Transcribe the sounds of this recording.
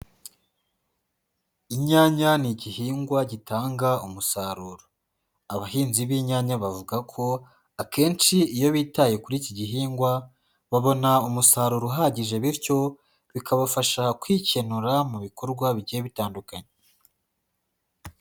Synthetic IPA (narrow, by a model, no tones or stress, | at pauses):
iɲaːɲaniɟihiːŋɡwaɟitaːŋɡaumusaːɾuːɾo | aβahiːnziβiɲaːɲaβavuɡakʰo̞ | ake̞ːnt͡ʃiijo̞βiːtaje̞kuɾiciɟiɦiːŋɡwa | βaβo̞naumusaːɾuɾoɦaːɟiʒe̞βiɾco̞ | βikaβafaʃakwiːce̞nuɾamuβiko̞ɾɡwaβiɟieβitaːndukaɲe